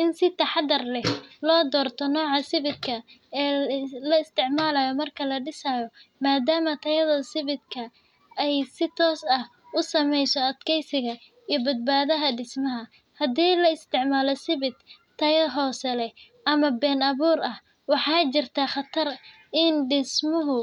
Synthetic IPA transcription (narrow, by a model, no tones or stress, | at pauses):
ʔɪnsɪt̪ʰɐħɑd̪ɐrlɛhlɔːd̪ɔːrt̪ʰɔnɔːʕɑsɪβɪd̪kʰɐɛːlɐɪst̪ʰɪʕmaːlɐjɔmɐrkʰɐlɐɖɪsajɔmaːd̪aːmɐt̪ʰɐjɐðɐsɪβɪd̪kʰɐ | ɛjsɪt̪ʰɔːsɐh | ʊsɐmɛjsɔɐd̪kʰɛjsɪɣɐ | iːbɐd̪̚baːðɐɦɐɖɪsmɐɦɐ | hɐd̪iːlɐɪst̪ʰɪʕmaːlɔsɪβɪt̪ | t̪ʰːɐjɐɦɔːsɛlɛ | ʔɐmɐbɛːnɐβuːɾɐh | wɑħɑːt͡ʃɪrt̪ʰaːχɐt̪ʰɐr | ɪnɖɪsmʊɦʊ